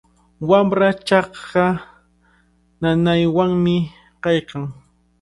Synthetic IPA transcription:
wamɾat͡ʃɑχa | nanajwaŋmɪ | qɑjqɑŋ

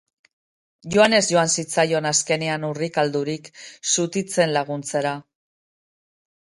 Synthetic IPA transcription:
ʝo̞ane̞zʝo̞ansit͡sajo̞naske̞neanurikald̪uɾiksut̪it͡se̞nlaɣunt͡se̞ɾa

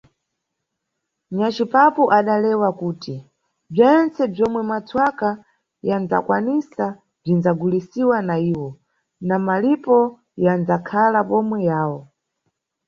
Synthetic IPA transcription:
ɲat͡ʃipapuʔaɗalɛwakuːti | b͡ʐɛnt͡sɛb͡ʐɔmwɛmat͡sʰwaka | jand͡za̰kwanisa | b͡ʐinzaɡulisiwanaiːwɔ | namalipɔ | jand͡zakʰalapɔmwɛjaːwɔ

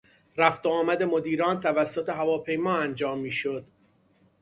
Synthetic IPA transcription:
ɾæft̪oɒːmæd̪e̞mo̞d̪iːɾɒːnt̪ʰævæsːot̪ʰe̞ɦævɒːpʰe̞jmɒːænd͡ʒɒːmːiːʃod̪̥

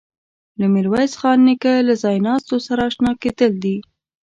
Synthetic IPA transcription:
lamɪɾwajzxɑnːɪkalazɑjnɑst̪osaɾaʃnɑket̪əld̪i

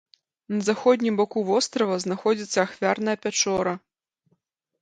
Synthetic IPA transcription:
nɐzaxɔd̪ʲnʲimbɔkuvɔst̪ɾɐvɐznaxɔd͡zʲit̪sːɐːxvʲarnɐjɐpʲat͡ʂɔɾɐ

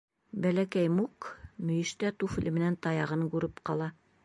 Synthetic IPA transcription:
bælækæjmuqmɵ̆jɘ̆ʃt̪æt̪ufɘ̆lɘmɘ̆nænt̪ɑjɑʁɤnɡʉɾɘpqɑlˠɑ

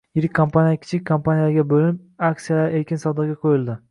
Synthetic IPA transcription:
jɪɾɪk̚ʲkʰːompʰanijakʲʰɪ̥t͡ʃʰɪk̚ʲkʰːompanijaɡʲabolnɪp | aksijalaɾekʲɪnsɒwd̪ɑɾɡʲaqʰojɪlˠd̪ɪ

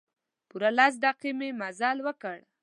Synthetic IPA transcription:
puɾalas̬d̪aqimemazɑlwəkəɽ

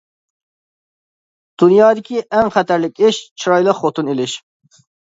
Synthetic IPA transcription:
d̪̥unjɑːd̪ɪkʲiʔɛŋχɛt̪ʰæɾlɪkʲɪʃt͡ʃʰiɾɑjlˠəqχot̪ʰɨnelɪʃ

